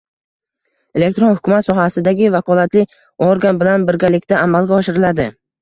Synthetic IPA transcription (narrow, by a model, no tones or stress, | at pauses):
e̞le̞k̚ʲt̪ɾonhʊkʰʲʊmat̪sɒɦasɪd̪aɡʲɪvakʰɒlˠat̪lɪ | oɾɡanbɪlanbɪɾɡʲalɪkʲt̪aːmalˠɡʲaɒʃɪɾɪlad̪ɪ